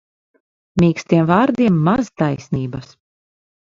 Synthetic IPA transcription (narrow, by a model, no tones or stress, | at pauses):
mʲiːksʲt̪iɛmvaːɾd̪iɛmːazt̪ajsniːbas